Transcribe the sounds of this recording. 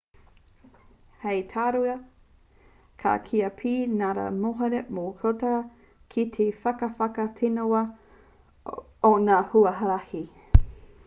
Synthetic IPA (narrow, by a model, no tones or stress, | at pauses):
hejtʰaːɾuɐ | kʰa̰kʰiɐpʰiːnaɾa̰moɦɐɾemokʰot̪ɐ | kʰit̪ʰefɐkɐfɐkɐt̪ʰenowɐ | onahuɐɦɐɾɐhi